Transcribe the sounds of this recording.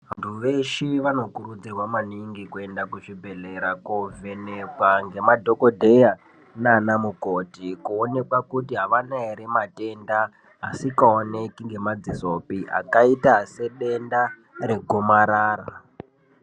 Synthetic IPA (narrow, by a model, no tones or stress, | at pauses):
ʋantʰuʋe̞ʃiʋano̞kuɾud͡zirwamaniŋɡikue̞ndakuʐibʱe̞le̞ɾakove̞nekwaŋɡe̞madʱo̞ko̞dʱe̞ja | nanamukotikuone̞kwakutiɦaʋanaeɾemate̞nda | ɦasikaone̞kiŋɡe̞mad͡zisopia̰kaitase̞ɗe̞nda | ɾe̞ɡʱomaɾaːra